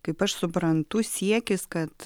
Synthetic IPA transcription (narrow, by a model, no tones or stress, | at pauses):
kɐɪpɐʃsʊpɾɐnt̪ʊsʲiɛkʲɪskɐt̪